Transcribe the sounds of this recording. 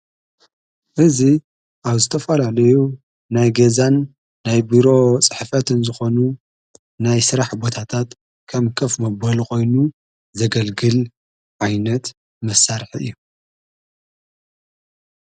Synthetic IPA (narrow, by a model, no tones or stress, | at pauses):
ʔɨzi | ʔaβzɨt̪ʰɐfɐlalɐju | najɡezanː | ajbiɾo̞t͡sʼɨħfɐt̪ɨnzɨxo̞nu | najsɨɾaħbo̞t̪ʰat̪ʰat̪ | kʰɐmkʰɐfmɐbɐlko̞jnu | zɐɡɐlɡɨl | ʕajnɐt̪ | mɐsaɾħiɨ̰jːu